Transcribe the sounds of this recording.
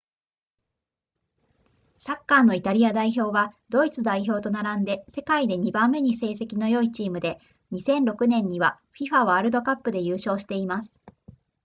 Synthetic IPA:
sakːaːno̞it̪aɾʲiad̪aiço̞ːβad̪o̞it͡sɨd̪aiço̞ːt̪o̞naɾãnd̪e̞se̞kaid̪e̞ɲ̟ibãmːe̞ɲ̟ise̞ːse̞kʲino̞jo̞it͡ɕiːmɯ̟d̪e̞ | ɲ̟isẽ̞nɾo̞kɯ̟nẽ̞ɲ̟ːiβa | ɸʲiɸaβaaɾɯ̟d̪o̞kapːɯ̟d̪e̞jɯːɕo̞ːɕi̥t̪e̞imasɨ̥

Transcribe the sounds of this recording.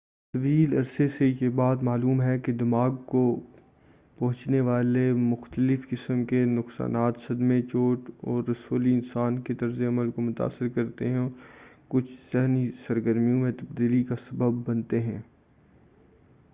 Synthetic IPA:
sɐʋiːlɐɾsesejebaːt̪maːluːmɦɛked̪ɪmaːɡko | pɐɦʊ̃t͡ʃneʋaːlemʊxt̪əlɪfkɪsəmkenʊqsa̰ːnaːt̪sɐd̪mẽt͡ʃoːʈɔːɾːɐsoːliɪnsaːnket̪ɐɾzeɐməlkomʊt̪a̰ːsːɪɾkɐɾt̪eɦɛ̃ | kʊt͡ʃʰsɛɦnisɐɾɡəɾmijõmẽt̪ɐb̚d̪iːlikasɐbəbːɐnt̪eɦɛ̃ː

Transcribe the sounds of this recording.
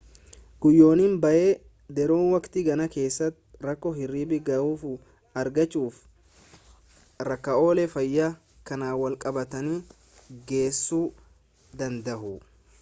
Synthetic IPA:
ɡ̥ʊjːo̞ːnimbɐʔeː | d̪ɛɾoːnwɐkt̪ɪɡɐnɐke̞ːsːɐt̪ɾɐkːɔɦɪrːiːbɪɡɐuːf | ɐɾɡɐt͡ʃʼːuːf | ɾɐkːɐo̞ːlɛfɐjːɐ | kɐnaːwɐlkʼɐbɐt̪ɐni | ɡe̞ːsːuː | d̪ɐnd̪ɐhʊ

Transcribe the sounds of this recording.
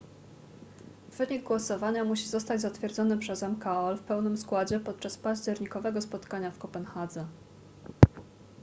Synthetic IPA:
v̥ɘɲiɡ̚ɡwɔsɔvaɲamuɕizɔst̪ad͡ʑzat̪fʲjɛɾd̪zɔnɘpʂɛzɛmkaɔlfpɛwnɘmskwad͡ʑɛpɔt̪̚t͡ʂaspaʑd͡ʑɛɾɲikɔvɛɡɔspɔt̪kaɲafkɔpɛnxad̪zɛ

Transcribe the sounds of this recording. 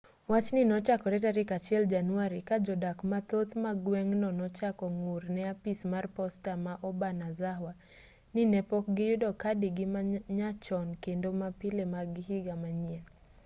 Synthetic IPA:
wat͡ʃnɪnɔt͡ʃakɔɾɛtaɾɪkat͡ʃiɛld͡ʒanwaɾikad͡ʒɔdakmat̪ot̪maɡwɛŋnɔnɔt͡ʃakɔŋʊrnɛapismarpɔstamaʔɔbanazaɦwa | nɪnɛpɔk̚ɡɪjʊdɔkadiɡɪmaɲat͡ʃɔnkendomapɪlemaɡɪɦiɡamaɲiɛl

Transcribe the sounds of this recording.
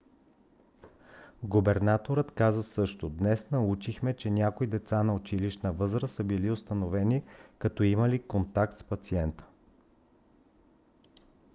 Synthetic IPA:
ɡʊbɛɾnat̪oɾət̪kazəsɤʃt̪ʊd̪nɛsnɐut͡ʃixmɛt͡ʃɛnʲakoid̪ɛt̪sanɐot͡ʃiliʃnəvɤzɾəsəbiliʊst̪ɐnovɛnikɐt̪ɔiməlikont̪ak̚t̪spɐt̪siɛnt̪ə̥

